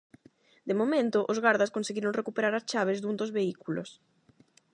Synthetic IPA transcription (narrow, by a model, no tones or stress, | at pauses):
d̪emomẽnt̪ʊʔozɣaɾðaskonseɣiɾoŋrekupeɾaɾast͡ʃaβ̞ezðund̪ozβeikulo̰s